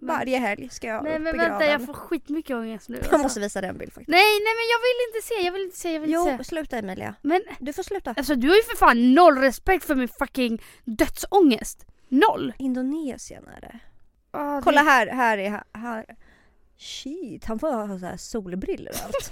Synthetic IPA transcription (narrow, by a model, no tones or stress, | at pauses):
mvaɾjəɦɛljskajɑnɛmɛnvɛnːt̪ajɑːɡffoːɾɧiːt̪mʏkːəɔŋːəst̪nʉ̰ːhanmɔst̪əviːsad̪ɛɛnbɪ̰lfak̚t̪nɛjnɛmɛnjɑːɡvɪlɪnt̪əseːjɑːɡvɪlɪnt̪ə̥seːjɑɡvɪluːseːslʉ̟ːt̪aɛmɛːlɪ̰a̰mɛnd̪ɵfoːslʉ̟ːt̪aas̬ɔd̪ɵhaɾjɵfœɾfannɔlːɾɛspɛkt̪fœɾmɪnfakɪŋ | d̪œt̪sɔŋːəst̪ | nɔlːɪnd̪ʊneːsɪə̰næ̰ːɾɛ̰ | ʔɔkʰɔlːaɦæɾɦæːɾɛha̰ha | ʃɪt̪ːhanfoːjhɑːsɔhæ̰suːlbɾɪlːə̰ɾa̰lt̪